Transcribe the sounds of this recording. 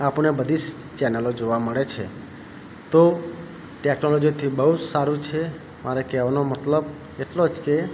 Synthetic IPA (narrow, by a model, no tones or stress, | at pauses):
apnebəd̪ʱis | t͡ʃɛnəlod͡ʒoʋaməɭet͡ʃʰe | t̪o | ʈeknolɔd͡ʒiot̪ʰibəɦud͡ʒsaɾũt͡ʃʰe | maɾekɛʋanomət̪ləb | eʈlod͡ʒke